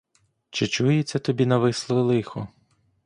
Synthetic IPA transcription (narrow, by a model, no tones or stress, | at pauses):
t͡ʃɪt͡ʃujet͡sʲːɐt̪ɔbʲinɐʋɪslˠɪlˠɪxɔ